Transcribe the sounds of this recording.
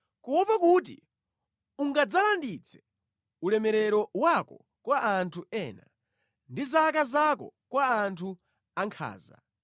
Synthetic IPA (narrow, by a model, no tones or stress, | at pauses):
kuwɔpakut̬ḭ | uŋɡad͡zalandit͡sʰɛ̥ | ulɛmɛɾɛɾɔwakɔ | kwaʔːntʰuɛːna | ndizak̬azakɔ̰kwaːntʰu | aŋkʰa̰ːza̰